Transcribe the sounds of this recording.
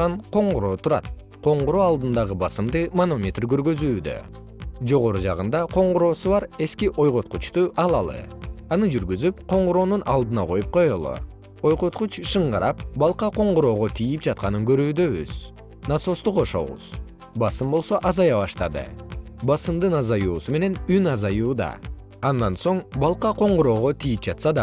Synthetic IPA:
ɑnqo̞ɴʁuɾo̞ːt̪ʰuɾɑ̰t̪̚ | qʰo̞ɴʁuɾoːɑlˠd̪ɯnd̪ɑʁɯbɑsɯmd̪ɯmɐno̞mʲet̪rɡø̞ɾɡøzyːd̪ø̰ | d͡ʒo̞ʁo̞ɾud͡ʒɑ̰ʁɯnd̪ɑqʰo̞ɴʁʊɾo̞ːsuβɑɾe̞skiʔo̞jʁo̞t̪̚qut͡ʃt̪uʔɑlˠɑlˠɯ̰ɑnɯd͡ʒyɾɡyzypqʰo̞ɴʁoɾo̞ːnunʔɑlˠd̪ɯnɑqʰo̞jup̚qo̞jolˠo̰ | o̞jqo̞t̪qut͡ʃʃɯɴʁɑɾʔɑpbɑlˠqɑqo̞ɴʁɾo̞ːʁot̪ʰijip̚d͡ʒɑt̪̚qɑnɯŋɡø̞ɾyːd̪ø̞βy̰z̥ | nɑso̞st̪uqo̞ʃo̰βṵz̥ | bɑsɯmbo̞lˠso̞ʔɑzɑjɑβɑʃt̪ɑd̪ɯ̰bɑsɯmd̪ɯnɑzɑjuːsume̞ne̞nynɑzɑjuːd̪ɑ̰ | ɑnd̪ɑnso̞ɴbɑlˠqɑqo̞ɴʁuɾo̞ːʁo̞t̪ʰijip̚d͡ʒɑt̪sɑd̪ɑ

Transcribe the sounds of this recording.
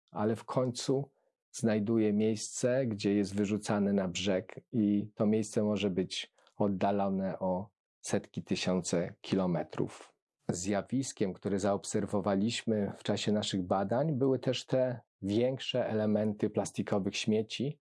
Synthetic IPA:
a̰lɛfkʰɔɲt̪su | znajd̪ujɛmʲjejst̪sɛɡd͡ʑɛjɛst̪vɘʐut̪sanɛnabʐɛkit̪ɔmʲjejst̪sɛmɔʐɛbɘt͡ɕ | ɔd̪ːalɔnɛʔɔ | sɛt̪kʲit̪ɘɕɔnt̪sɛkʲʰilɔmɛt̪ɾṵf | zjavʲiskʲɛmkt̪uɾɛzaɔpsɛɾvɔvalʲiɕmɘft͡ʂaɕɛnaʂɘɣbad̪aɲbɘwɘt̪ɛʂt̪ɛ | vʲjɛŋkʂɛʔɛlɛmɛnt̪ɘplast̪ikʰɔvɘxɕmʲjet͡ɕi

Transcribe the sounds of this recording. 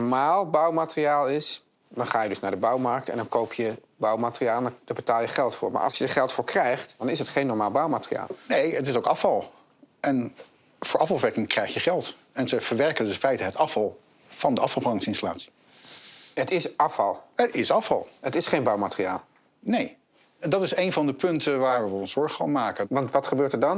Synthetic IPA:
ɹmaːlˠbʌwmaːtəriaːlˠɪs | dɑnχaːjədɵsnaːɹdəbʌwmɑrk̚tɛ̰ndɑnkowpʰjə | bʌwmaːtərijaːlˠɛndd̥aːbətaːlˠjəχɛlˠtfʊ̰ːɹma̰ːʔɑ̰lˠsjəəχɛlˠtfʊːɹkrɛjχtd̥ɑnɪsɦətχejnːɔɹmaːlˠbɑwmaːtrija̰ːlˠnejətɪsowkɑfɑlˠ | ɛn | vʊːɹʔɑfɑlˠfʋɛɹkɪŋkrɛjχjəχɛlˠt | ɛnzəv̥əɹʋɛɹkəndɪnfɛjtəɦətɑfɑlˠ | v̥ɑndəɑfɑlˠblɑŋsɪnstəla̰ːtsi̥ | ətɪsʔɑfɑlˠətɪsɑfɑ̰lˠɦətɪsχejnbɑwmaːtərija̰ːlˠ | nej | dɑtɪsejnvɑndəpɵntəʋaːɹʋəɔnsz̥ɔɹχəo̰nmaːkəʋɑntʋɑtχəbøːɹtəɹdɑn

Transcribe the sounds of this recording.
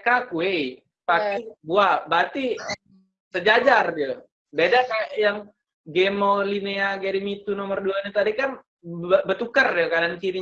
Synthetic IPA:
kakuej | pakibuabat̪i | səd͡ʒad͡ʒardi | bedakajaŋ | ɡemolineaɡeɾimit̪unomərduanit̪adikan | əbət̪ukərdikadankiɾi

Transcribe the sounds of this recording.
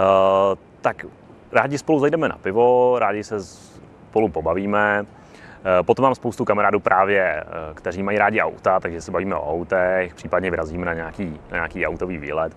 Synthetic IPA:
t̪ak | ɾaːɟɪspo̞luzajdɛmɛna̰pɪvoɾaːɟɪsɛs | polupobaviːmɛ | pot̪omːaːmspowst̪ukamaɾaːduːpɾʔaːvjɛkt̪ɛɾiːmajiɾaːɟɪʔa̰wt̪at̪aɡʒɛsɛbaviːmɛʔo̰awt̪ɛxpr̥iːpadɲɛvɪɾaziːmɛnaɲɛakiːnaɲa̰ːkiːa̰wt̪oviːvḭːlɛt̪

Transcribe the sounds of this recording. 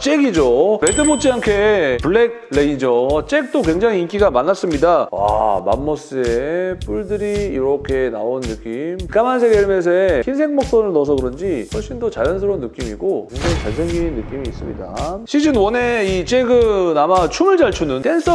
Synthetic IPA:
t͡ɕ͈eɡid͡ʑopedɯbot͡ɕ͈ʰiaŋkʰe̞puɭːek̚leid͡ʑot͡ɕ͈ek̚t͈ok̬we̞ŋd͡ʑaŋiink͈iɡamanːas͈ɯmɲidawa̰ma̰mːʌs͈ɯep͈uɭdɯɾiːɾʌkʰe̞na̰onːɯk͈imkamansʰeɡeɭmes̬ʰeeçinsʰe̞ŋmʌk̚s͈ʌnɯɭnʌs̬ʰʌɡɯɾʌnd͡ʑiɸʌɭɕ͈indot͡ɕajʌnsʰɯɾonːɯk͈imiɡokeŋd͡ʑaŋit͡ɕaɭsʰeŋɡiinːɯk͈imiːs͈ɯ̰mɲḭda̰ɕʰid͡ʑɯnwʌne̞it͡ɕ͈e̞ɡɯnamat͡ɕʰumɯɭd͡ʑaɭt͡ɕʰunɯnt͈e̞ns͈ʰʌ

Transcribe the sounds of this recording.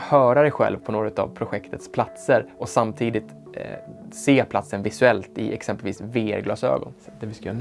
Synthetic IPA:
hœːɾad̪ɛjɧɛ̰lvpʰɔnoːɡɾʉːt̪a̰vpʰɾʊɧɛkt̪ʰət̪spʰlat̪səɾɔsamt̪ʰiːd̪ɪt̪ | seːpʰlat̪sənvɪsɵɛlt̪ɪ̰ʔɛksɛmpəlvḭːsveːɛ̰ɾɡlɑːsø̰ːɡɔ̰nd̪̥ɛvɪsk̪

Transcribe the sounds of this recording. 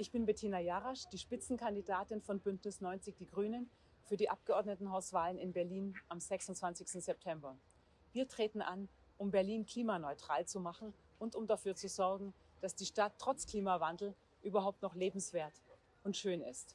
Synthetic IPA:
ʔɪçb̥ɪnbetʰiːnajaʁaʃd̥iːʃpɪt͡sn̩kʰandidaːtɪnfɔnbʏntnɪsnɔʏnt͡sɪçd̥iːɡʁyːnən | fyːɐdiːʔap̚ɡ̥əʔɔɐdnətn̩ɦaʊsv̥aːlənɪnbɛɐliːnʔamzɛksʊntt͡sv̥ant͡sɪçstn̩zɛp̚tʰɛmbɐ | viːɐtʁ̥eːtn̩ʔan | ʔʊmbɛɐliːnkl̥iːmanɔʏtʁ̥aːlt͡sumaχn̩ | ʔʊntʊmdafyːɐt͡suzɔɐɡŋ̩ | d̥asd̥iːʃtatʰːʁ̥ɔt͡skl̥iːmavandl̩ | ʔyːbɐɦaʊp̚tnɔχleːbm̩sv̥eːɐt | ʊntʃøːnɪ̰st

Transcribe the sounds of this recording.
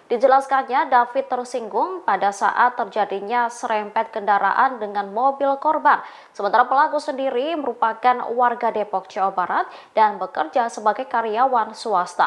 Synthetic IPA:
d̥id͡ʒəlaskanɲadafɪt̪ːərsiŋɡʊŋpadasa̰ʔat̪ːərd͡ʒadiɲasəɾɛmpɛt̪̚kəndaɾa̰ʔandəŋanmobɪlkɔrban | səmənt̪aɾapəlaɡusəndiɾiməɾupakanwarɡadepɔk̚t͡ʃiɔbaɾat̪̚d̥anbəkərd͡ʒasəbaɡajkaɾiawansuast̪a̰

